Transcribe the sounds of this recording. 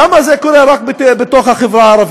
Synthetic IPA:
amazekoɾeɾak̚betbet̪oχhaχevɾaːɾˤɑv

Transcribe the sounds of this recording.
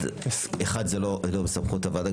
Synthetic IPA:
eχad̪zeloʔlomesamχut̪avada

